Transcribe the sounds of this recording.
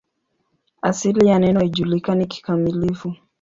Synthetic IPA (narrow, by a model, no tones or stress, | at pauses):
asilijanɛnɔhiʄulikaniki̥kamilifu